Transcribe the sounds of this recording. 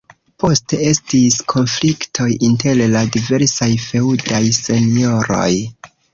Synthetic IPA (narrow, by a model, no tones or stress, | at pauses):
po̞ste̞e̞stiskʰo̞nfliktʰo̞jinte̞lladive̞ɾsajfe̞udajse̞nio̞ɾo̞̰j